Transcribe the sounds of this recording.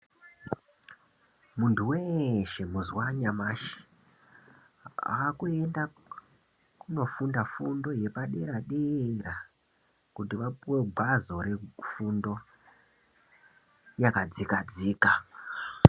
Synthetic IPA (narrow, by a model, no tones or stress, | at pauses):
muntʰuweʃe̞muzwaɲamaʃi̥ | a̰ːkue̞nda | kuno̞fundafundo̞je̞paɗeɾaɗeɾa | kutiʋapuwe̞ɡ͡bʱazo̞ɾefundo̞ | jakad͡zikad͡ziːka